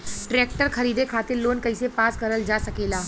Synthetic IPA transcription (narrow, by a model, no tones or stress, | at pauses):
ʈɾeːk̚ʈəɾxʰɐɾiːd̪ekʰaːt̪ɪɾloːnkɐisepaːskɐɾəld͡ʒaːsɐkeːlaː